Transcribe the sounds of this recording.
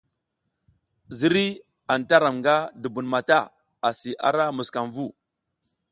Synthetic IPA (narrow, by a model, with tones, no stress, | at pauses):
zi˦ɾi˦ | a˨nta˦ɾa˨mŋɡa˦du˨bu˨nma˨ta˦ | a˨si˨ʔa̰˦ɾa˦mu˨ska˨mvu˦